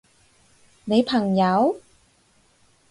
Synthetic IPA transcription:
ne˨˥jpʰa˨˩ŋja˨˦˥w

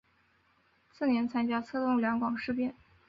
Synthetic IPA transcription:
sʰɹ̩˥˩njɛ˧˥nt͡sʰa˥nt͡ɕja˥t͡sʰɤ˥˧t̪ʊ˥˩ŋljɑ˧˥ŋkwɑ˨˩ŋʂɻ̩˥˧pjɛ˥˩n

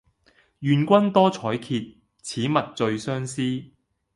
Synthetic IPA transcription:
jyː˨nkʷɐ˥nt̪ɔː˥t͡sʰɔː˨˥jkʰiː˧t̚ | t͡sʰiː˨˥mɐ˨t̚t͡sɵ˧ɥsœː˥ŋsiː˥

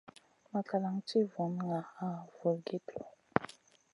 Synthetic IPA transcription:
ma˨ka˨la˨ŋti˦vɔ˨n˦ŋa˨a˦˨vo˨lɡe˦tʰɔ˨

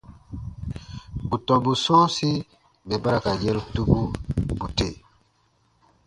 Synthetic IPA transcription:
bu˨tɔ˨bu˨sɔ˦si˦ | bɛ˨ba˦ɾa˦ka˨je˦ltu˦bu˦bu˨te˦˨

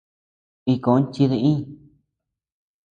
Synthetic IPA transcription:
i˧kõ˨˦n˦t͡ʃi˧ðe˧ʔĩː˦

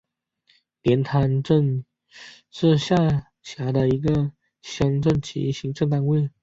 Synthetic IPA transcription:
pjɛ˧˥nt̪ʰa˧˥nʈ͡ʂə˥˧ŋ | ʂɻ̩˥˧ɕja˥˩ | ɕja˧˥d̪ə˧i˧˥ɡə˧ | ɕjɑ˧˥ŋʈ͡ʂə˥˩nt͡ɕʰḭ˧˥ɕi˧˥ŋʈ͡ʂŋt̪a˥˧nwe˥˩ɪ

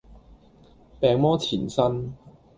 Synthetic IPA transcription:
pɛː˨ŋmɔː˥t͡sʰiː˨˩nsɐ˥n

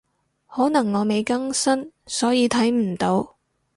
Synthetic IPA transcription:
hɔː˨˥nɐ˨˩ŋːɔː˨˧me˨˧jkɐ˥ŋsɐ˥nsɔː˨˥jiː˨˧t̪ʰɐ˨˥jm̩˨˩t̪o˨˧˥w

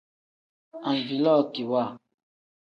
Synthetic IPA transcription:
ã˨nvi˨lɔ˦˨ki˨wa˦˨

